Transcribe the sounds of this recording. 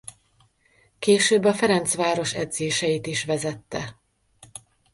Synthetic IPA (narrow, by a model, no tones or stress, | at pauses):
keːʃøːbːɒfɛɾɛnt̪sʋaːɾo̞ʃɛd̪zeːʃɛjit̪iʃʋɛzɛt̪ːɛ